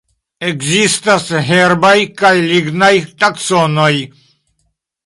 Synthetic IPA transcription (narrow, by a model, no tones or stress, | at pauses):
eɡzist̪asɦeɾbajkajliɡnajt̪aksonoj